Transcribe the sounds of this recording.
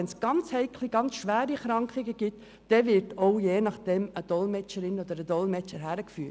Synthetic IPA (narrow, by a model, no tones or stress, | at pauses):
ɛnsɡ̥ɑnt͡shɛɪkʰliɡɑnt͡sʃʋæːɾiχɾɑŋkχiɡəɡ̥ɪt̪ː | ɛʋɪtoʊjeːnɑχd̥ɛməd̥ɔlmɛt͡ʃəɾɪnɔd̪əɾəd̪ɔlmɛt͡ʃəɾɦæɾəkfyː